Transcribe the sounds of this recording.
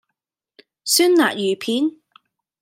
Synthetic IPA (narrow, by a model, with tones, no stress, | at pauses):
syː˥nla̰ː˨k̚jyː˨˩pʰiː˨˥n